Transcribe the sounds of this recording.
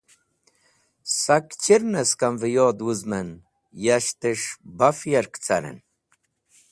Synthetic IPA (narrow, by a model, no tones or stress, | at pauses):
sɐkt͡ɕiɾnɐskɐmvəjoːd̪wuzmən | jaʃt̪əʂbafjɐɾkt͡sʰɐ̰ɾə̰n